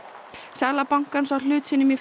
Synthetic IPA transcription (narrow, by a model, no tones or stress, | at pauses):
sɛɣlapawŋkansal̥ʏːt̪sɪnːʏmif